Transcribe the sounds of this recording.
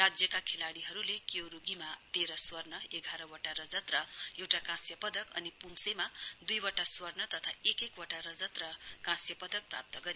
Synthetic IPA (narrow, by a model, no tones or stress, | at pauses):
rad͡zjʌkakʰelaɽiɦʌɾulekjowɾuɡimat̪eɾʌswʌrnʌeɡʱaɾʌwʌʈaɾʌd͡zʌt̪rʌewʈakãsjʌpʌd̪ʌkʌ̰nipumsemad̪ujwʌʈaswʌrnʌt̪ʌt̪ʰaekekwʌʈaɾʌd͡zʌt̪rʌkãsjʌpʌd̪ʌk̚pra̰p̚t̪ʌɡʌɾ